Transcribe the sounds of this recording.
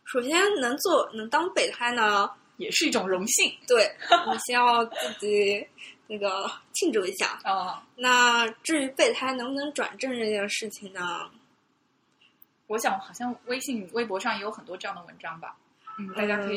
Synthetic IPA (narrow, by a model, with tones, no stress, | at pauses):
ʂo˨˩ʊɕ̬jɛ˥nnɤ˧˥ŋt͡swɔ˥˩nɤ˧˥ŋt̪ɑ˥ŋpe˥˩ɪt̪ʰa˥ɪnə˨ | jɛ˨˩ʂɻ̩˥˧i˥˩ʈ͡ʂʊ˨˩ŋɻʊ˧˥ŋɕi˥˩ŋt̪we˥˩ɪn˨˩ɕɛ˥jɑ˥˧ʊt͡sɹ̩˥˩t͡ɕi˨˩na˥˩ɡə˩t͡ɕʰi˥˧ʈ͡ʂu˥˩i˧˥ɕja̰˥˩˥na˥˧ʈ͡ʂɻ̩˥˩y˧˥pe˥˩ɪt̪ʰa˥ɪnɤ˧˥ŋ˧nɤ˧˥ŋʈ͡ʂwa̰˨˩nʈ͡ʂə˥˧ŋʈ͡ʂɤ˥˧t͡ɕjɛ˥˧ʂɻ̩˥˩t͡ɕʰi˨˩ŋnə˩ | wɔ˧˥ɕjɑ˧˥˦ŋ˥xɑ˨˩ʊɕjɑ˥˧ŋwe˥ɪɕi˥˩ŋ˩we˥˩ɪp̬wɔ˧˥ʂɑ˥˩ŋjɛ˥jo˧ʊxə˨˩nt̪wɔ˥ʈ͡ʂɤ˥˧jɑ˥˩ŋd̪ə˩wə˧˥nʈ͡ʂɑ˥ŋbɐ̰˨˩ | n̩˥˩t̪a˥˧˩t͡ɕja˥kʰɤ˧˥i˨˩